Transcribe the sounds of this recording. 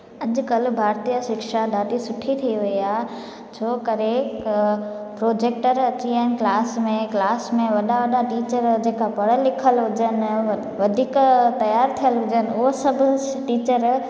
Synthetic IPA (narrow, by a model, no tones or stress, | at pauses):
ɐʄkɐlbʱaːɾt̪ijəʃɪkʃad̪ʱaːʈisʊʈʰit̪ʰiiʋiia | t͡ʃʰoːkəɾe | pɾoːd͡ʒeːk̚ʈəɾɐt͡ɕiənklaːsmẽklaːsmẽʋɐɗaʋɐɗaʈiːt͡ʃəɾd͡ʒeːkapɐɽəlɪkʰəlɦʊd͡ʒən | ʋɐd̪ʱiːkt̪ɐjaːɾt̪ʰijəlɦʊd͡ʒənosɐbʱʊ | ʈiːt͡ʃəɾ